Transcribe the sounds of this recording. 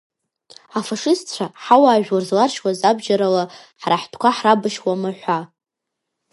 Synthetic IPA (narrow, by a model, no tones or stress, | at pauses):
afaʂɨsʰt͡ɕʷʰaħawaːʒᶣwarzlarʃwazabʒaɾala | ħraħtʰkʷʰaħrabɨʃwamaħʷa